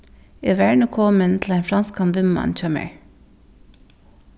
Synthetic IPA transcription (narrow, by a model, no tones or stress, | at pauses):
eʋæɹɳəkʰɔmənt̪ʰl̩æɪnfɾɑnskɑnʋɪmmɑ̰nc͡çœmə̰ɹ